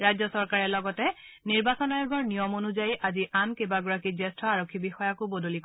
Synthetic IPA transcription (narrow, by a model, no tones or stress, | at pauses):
ɹajzɔsɔɹkaɹɛlɔɡɔtɛ | niɹbasɔnajɔɡɔɹnijɔmonuzajiʔaziʔankebaɡuɹakizɛstɹɔaɹokʰːibixɔjakubodolik